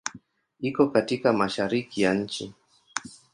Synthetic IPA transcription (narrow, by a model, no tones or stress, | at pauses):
ikɔkatikamaʃaɾikijaɲ̩t͡ʃi